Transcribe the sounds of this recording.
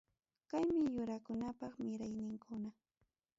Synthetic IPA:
kajmɪjʊɾakʊnapɑχmɪɾajnɪŋkʰʊna

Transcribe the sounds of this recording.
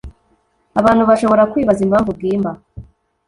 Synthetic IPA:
aβaːnhuβaʃo̞βo̞ɾakwiːβazimhaːɱvub̚ɡiːmba

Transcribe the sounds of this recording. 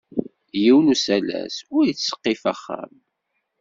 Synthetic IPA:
jiwnusælæ̰sʊɾjit͡sːsə̥qːɪfæχːa̰m

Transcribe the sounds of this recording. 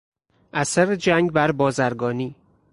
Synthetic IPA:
ʔæsæɾed͡ʒæŋɡbæɾbɒːzæɾɡɒːniː

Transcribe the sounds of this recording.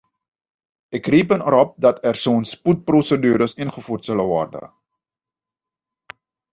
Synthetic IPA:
ʔɛkripənəɾɔp̚dɐtɛrsoənsput̚prosədyːɾəsinχəfurtsələvɔrdə̰

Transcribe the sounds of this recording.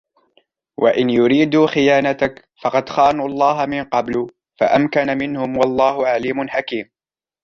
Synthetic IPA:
wʔaʔɪnjʊɾiːd̪uːxɪjaːnat̪ak | fɑqɑd̪xaːnuːɑlˤːɑːɦamɪnqɑblʊ | fa̰ʔamkanamɪnhʊmwɑlˤːɑːhʊʕaliːmʊnħakiːm

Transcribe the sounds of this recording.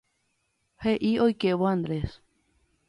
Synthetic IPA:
heʔiojkeβoãnd̪ɾes

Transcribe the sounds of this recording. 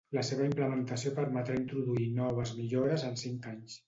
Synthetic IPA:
ləseβəimpləmənt̪əsiopəɾmət̪ɾaint̪ɾuðuinɔβ̞əzmiʎoɾəzənsiŋkaɲs

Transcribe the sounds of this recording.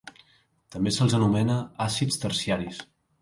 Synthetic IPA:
t̪əmbesəlˠzənumɛnəasit͡st̪əɾsiaɾis

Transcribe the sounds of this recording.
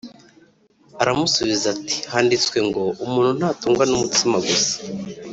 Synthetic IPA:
aɾamusuβizati̥haːndit͡swe̞ŋɡo̞umuːn̥hun̥haːtuːŋɡwanumutimaɡosḁ

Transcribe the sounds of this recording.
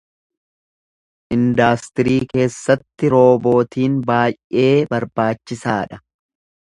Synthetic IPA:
ʔɪnd̪aːst̪ɪɾiːke̞ːsːɐt̪ːɪɾo̞ːbo̞ːt̪iːnbaːjʔe̞ːbɐɾbaːt͡ʃːɪsaːᶑɐ

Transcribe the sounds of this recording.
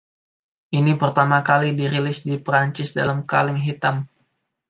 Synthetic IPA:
ʔinipərt̪amakalidiɾilɪsdipɾaɲt͡ʃɪsda̰lamka̰lɪŋɦit̪am

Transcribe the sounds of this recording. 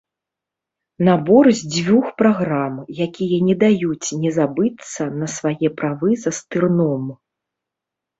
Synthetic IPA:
nabɔrzʲd͡zʲvʲuxpɾaɣɾamjakʲijɐnʲɛd̪ajut͡sʲnʲɛzabɨt̪sːɐnɐsvajɛpɾavɨzɐst̪ɨrnɔm

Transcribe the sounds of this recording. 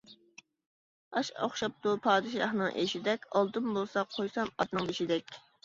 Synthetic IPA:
ɑʃo̰χʃɑp̚t̪upʰɑːd̪ɨʃɑ̰hnɨŋʔḛʃid̪ɛkʲʰɑlˠd̪umbolˠsɑqʰːojsɑmɑt̪nɨŋd̪eʃid̪ɛkʲ

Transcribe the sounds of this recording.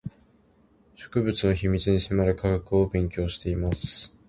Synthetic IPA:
ɕo̞̥kɯ̟bɯ̟t͡sɨno̞çimʲit͡sɨɲ̟isemaɾɯ̟kʰaɡakɯ̟obẽ̞ŋkʲo̞ːɕi̥t̪e̞imasɨ̥

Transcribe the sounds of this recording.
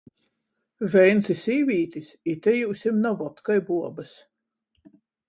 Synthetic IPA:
vɛjnsisiːvʲiːt̪ʲisit̪ɛjuːsʲimnavɔt̪kajbuɔbɐs

